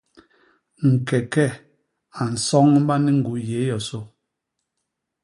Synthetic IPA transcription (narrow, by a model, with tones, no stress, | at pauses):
ŋ̩˨kɛ˨kɛ˦ | a˨n̩˨sɔ˦ŋ˦ba˦ni˦ŋ̩˨ɡu˨˦je˨˦jɔ˨so˦